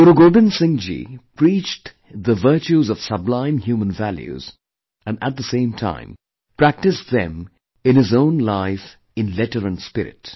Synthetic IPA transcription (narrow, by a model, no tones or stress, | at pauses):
ʊɾuɡoːbɨ̃nsɪ̃ŋd͡ʒḭpʰɾit͡ʃt | ðəvə˞t͡ʃuzʌv̥sʌblãɪ̃mhjuːmə̃nvæljʉ̰z | ɨ̃nə̰t̪̚ðəsẽɪ̃mtʰã̰ɪ̃m | pʰɹ̥æk̚tɨsðɛ̰̃m | ɨ̃nɪzõʊ̃nlaɪf | ɨ̃nlɛtəɹɨ̃nspɪɾɪ̰t